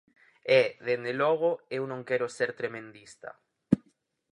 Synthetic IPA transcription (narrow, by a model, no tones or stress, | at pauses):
ɛðend̪elɔɣ̞oewnõŋkɛɾoseɾt̪ɾemẽnd̪ist̪ɐ̰